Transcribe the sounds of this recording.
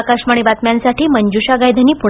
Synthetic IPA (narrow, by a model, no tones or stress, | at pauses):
kaʂmaɳibat̪mjansaʈiːməɲd͡ʑuɕaɡajd̪ʱaniːpu